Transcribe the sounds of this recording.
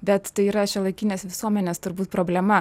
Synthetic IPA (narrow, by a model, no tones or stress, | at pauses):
bʲɛt̪t̪ɐɪiːɾɐʃʲɛlˠɐɪkʲɪnʲeːsʋʲɪsuɔmʲɛnʲeːst̪ʊɾbuːt̪̚pɾoːbʲlʲɛmɐ